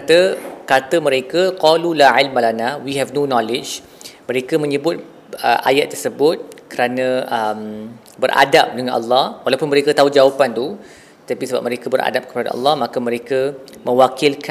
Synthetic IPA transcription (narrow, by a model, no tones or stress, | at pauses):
t̪əkat̪əmə̃ɾekəqɔlulaʕɪlmalanawiɦɛvnonɔlɪd͡ʒ | mə̃ɾekəmə̃ɲəbʊt̪̚ | ə̰ʔa̰jat̪ːərsəbʊt̪̚kəɾanə̃əm | bərʔa̰dap̚dəŋanʔɑ̰lːɑhwalawpʊnməɾekət̪aud͡ʒawapant̪u | t̪ət̪apisəba̰p̚mə̃ɾekəbəɾʔa̰dap̚kə̥pada̰ɑ̰lːɑhmakəmə̃ɾekə | mʔə̃wakilk